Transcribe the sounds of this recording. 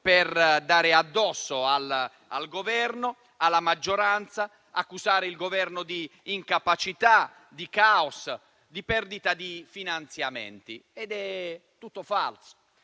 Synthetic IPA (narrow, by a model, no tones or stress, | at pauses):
pɛrd̪aːɾɪad̪ːɔsːoal | a̰lɡovɛrno | alːamad͡ʒːoɾant̪sa | akːuzaːɾɪilɡovɛrnod̪iːŋkapat͡ʃit̪a | d̪ikaos | d̪ipɛrd̪it̪ad̪ifinant̪sjamɛ̰nt̪ḭɛd̪ɛt̪ːut̪ːofa̰lso̥